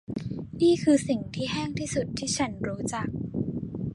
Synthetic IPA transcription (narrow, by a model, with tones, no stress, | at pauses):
niː˥˩kʰɯː˧si˨˩ŋt̪ʰiː˥˩ɦɛː˥˩ŋt̪ʰiː˥˩su˨˩t̪ʰːiː˥˩t͡ɕʰa˦˥nɾuː˦˥t͡ɕa˨˩k̚